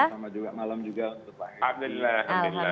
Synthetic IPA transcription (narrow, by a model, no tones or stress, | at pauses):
samad͡ʒuɡamalamd͡ʒuɡaunt̪ʊk̚la̰ɦɪhab̚d̪ulahadula